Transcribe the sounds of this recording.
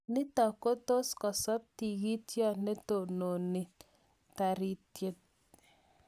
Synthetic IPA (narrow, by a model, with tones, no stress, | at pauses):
nɪ˦tɔ˨ko˦to˦skɔ˨sɔ˦t̚ti˨ɣi˦tjɔ˦˨ne˦to˨no˨nɪ˦t | ta˨ɾi˦tje˦t̚